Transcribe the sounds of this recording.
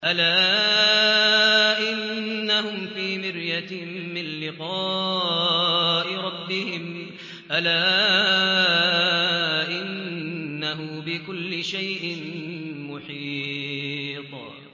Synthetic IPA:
ʔalaː | ʔɪnːahʊmfiːmɪɾjat̪ːɪnlɪqɑː | ʔɪɾˤɑbːɪhɪm | ʔalaː | ʔɪnː | aɦʊbɪkʊlːɪʃajʔɪnmʊħiː | t̪ˤ

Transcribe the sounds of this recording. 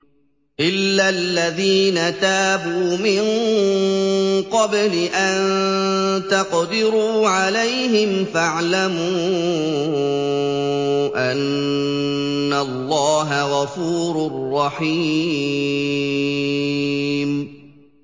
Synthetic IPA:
ʔɪlːalːaðiːnat̪aːbuːmɪŋ | qɑblɪʔan | t̪ɑqd̪ɪɾuːʕalajɦɪmfaʕlamuː | ʔan | alːɑːɦaɣɑfuːɾʊrːɑħiː | m

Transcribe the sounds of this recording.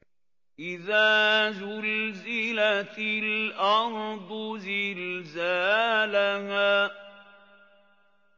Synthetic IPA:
ʔɪðaːzʊlzɪlat̪ɪlʔɑɾˤd̪ˤʊzɪlzaːlahaː

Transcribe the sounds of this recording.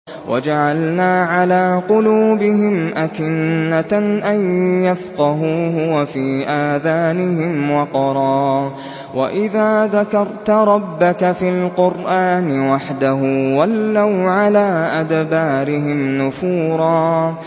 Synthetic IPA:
wʔa̰d͡ʒaʕalnaːʕalaːqʊluːbɪɦɪmʔakɪnːaʔajjafqɑɦuːɦʊwafiːʔaːðaːnɪɦɪmwɑqɑɾˤɑː | wa̰ʔɪðaːðakɑɾˤt̪ɾˤɑbːakafilqʊɾʔaːnɪwaħd̪aɦʊːwalːawʕalaːʔad̪baːɾɪɦɪmnʊfuːɾˤɑː

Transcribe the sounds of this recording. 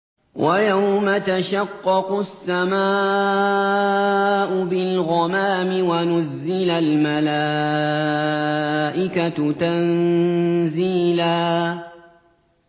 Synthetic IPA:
wʔajawmat̪aʃɑqːɑqʊsːamaː | ʔʊbɪlɣɑmaːmɪwanʊzːɪlalmalaː | ʔɪkat̪an | ziːlaː

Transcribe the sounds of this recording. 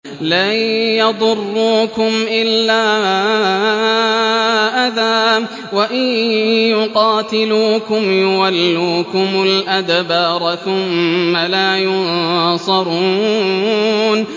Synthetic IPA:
lajɑd̪ˤʊrˤːuːkʊmʔɪlːaː | ʔaðaː | waʔajjʊqɑːt̪ɪluːkʊmjʊwalːuːkʊmʊlʔad̪bɑɾˤθʊmːalaːjʊnsˤɑɾˤuː | n

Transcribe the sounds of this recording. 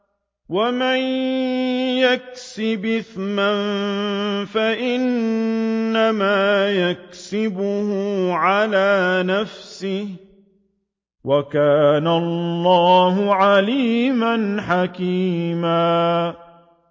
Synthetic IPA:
waman | jaksɪbɪθman | faʔɪnː | amaːjak̚sɪbʊhʊʕalaːnafsɪh | wakaːnallːɑːhʊʕaliːmanħakiːmaː

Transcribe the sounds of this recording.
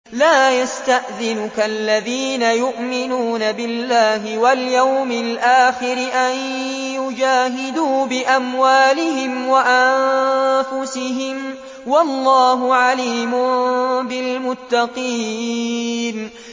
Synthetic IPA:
laːjast̪aʔðɪnʊkalːaðiːnajʊʔmɪnuːnabɪlːaːɦɪwaljawmɪlʔaːxɪɾɪʔan | jʊd͡ʒaːɦɪd̪uːbɪʔamwaːlɪɦɪmwaʔannfʊsɪɦɪm | wɑlˤːɑːɦʊʕaliːmʊbɪlmʊt̪ːɑqiː | n

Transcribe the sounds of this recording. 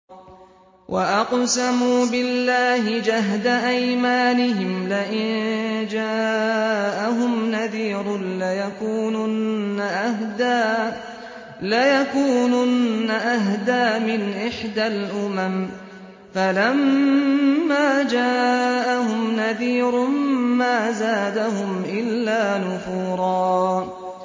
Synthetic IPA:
wʔaʔɑqsamuːbɪlːaːhɪd͡ʒaɦd̪aʔajmaːnɪɦɪmlaʔɪnd͡ʒaː | ʔaɦʊmnaðiːɾlajakuːnʊnːad̪aː | lajakuːnʊnːaʔaɦd̪aːmɪnʔɪħd̪alʔʊmam | falamː | aːd͡ʒaːʔahʊmnaðiːɾmmaːzaːd̪ahʊmʔɪlːaːnʊfuːɾˤɑː

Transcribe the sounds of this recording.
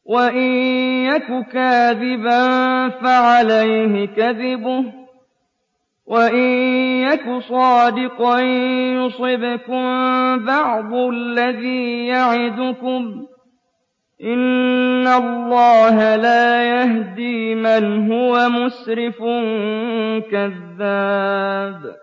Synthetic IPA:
waʔɪjːakʊkaːðɪbanfaʕalajhɪkaðɪbʊh | waʔɪːakʊsˤɑːd̪ɪqɑnjʊsˤɪbɪkʊmbɑʕd̪ˤʊllːaðiːjaʕɪd̪ʊkʊm | ʔɪnːalːɑːɦalaːjaɦd̪iːmanɦʊwamʊsɾɪfʊn | kaðːaːb

